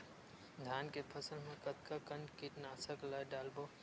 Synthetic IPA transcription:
d̪ʱaːnkepʰəsəlmẽkət̪kakənɖkiʈnaːsəklajɖaːlbo

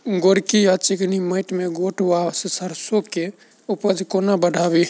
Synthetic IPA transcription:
ɡoɾkijat͡ʃikniməjʈ̪meɡoʈʰwassəɾsoke | upəd͡ʒʱkonabəɖʱabi

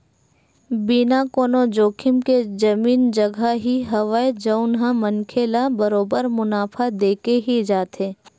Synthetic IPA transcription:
binakoːnod͡ʒoːkʰɪmked͡ʒɐmiːnd͡ʒɐɡʱaɦiɦɐʋaed͡ʒɐʊnɦãmɐnkʰeːlabɐɾoːbəɾmʊnaːpʰad̪eːkeɦid͡ʒaːt̪ʰeː

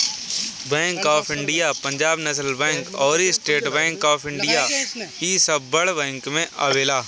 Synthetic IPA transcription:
bɛ̃ːŋkaːpʰɪ̃ɳɖijaːpə̃ɲd͡ʒaːbnəs̬əlbɛ̃ːŋkɔːɾisʈeːʈbɛ̃ːŋkaːpʰɪ̃ɳɖɪjaːisəbːəɽbɛ̃ːŋkmẽʔa̰ʋeːlaː

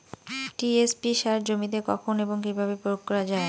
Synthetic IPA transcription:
ʈiespiʃaɾd͡ʑomit̪̬ekɔkʰoneboŋk̬ibʱabepɾookkːɔɾad͡ʑae

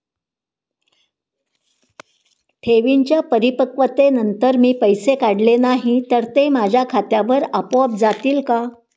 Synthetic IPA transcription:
ʈʰeʋiɲt͡ɕjapəɾipəkʋət̪enənt̪əɾmiːpəjsekaɽlenaɦit̪əɾt̪emad͡ʑʱjakʰat̪jaʋəɾapop̚d͡zat̪iːlka

